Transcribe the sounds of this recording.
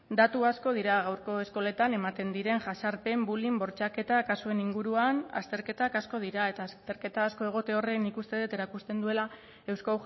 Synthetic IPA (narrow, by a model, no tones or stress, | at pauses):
d̪at̪uasko̞ðiɾaɣ̞awɾko̞e̞sko̞le̞t̪ane̞mat̪e̞nd̪iɾe̞nʝasaɾpe̞mbulimbo̞ɾt͡ʃake̞t̪akasue̞niŋɡuɾuana̰st̪e̞ɾke̞t̪akasko̞ð̞iɾae̞t̪aːst̪e̞ɾke̞t̪aːsko̞e̞ɣ̞o̞t̪eo̞re̞nikust̪eðet̪e̞ɾakust̪e̞nd̪ue̞la | e̞wskaw